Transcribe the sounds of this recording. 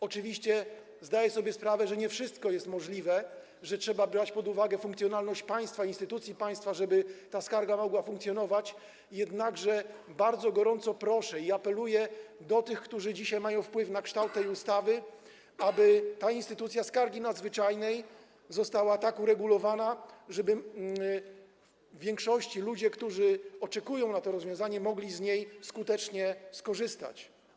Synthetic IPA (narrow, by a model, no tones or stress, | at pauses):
ɔt͡ʂɘvʲiɕt͡ɕɛ | zd̪ajɛsɔbʲjɛspɾavɛʐɛɲɛfʂɘst̪kɔjɛst̪mɔʐlʲivɛ | ʐɛtʂɛbabɾat͡ɕpɔd̪uvaɡɛfũŋkt̪sʲjɔnalnɔɕt͡ɕpaj̃st̪fainst̪ɘt̪ut̪sʲjipaj̃st̪faʐɛbɘt̪askaɾɡamɔɡwafuŋkt̪sʲjɔnɔvat͡ɕ | jɛd̪naɡʐɛbaɾd̪zɔɡɔɾɔnt̪sɔpɾɔʂɛiapɛlujɛd̪ɔt̪ɘxkt̪uʐɘd͡ʑiɕajmajɔ̃w̃fpwɘfnakʂt̪awt̪ːɛjust̪avɘ | abɘt̪ainst̪ɘt̪ut̪sʲjaskaɾɡʲinad̪zvɘt͡ʂajnɛj | zɔst̪awat̪akuɾɛɡulɔvanaʐɛbɘ | vːʲjɛŋkʂɔɕt͡ɕilud͡ʑɛkt̪uʐɘɔt͡ʂɛkujɔ̃w̃nat̪ɔɾɔzvjɔ̃zaɲɛmɔɡlʲizɲejskut̪ɛt͡ʂɲɛskɔʐɘst̪a̰t͡ɕ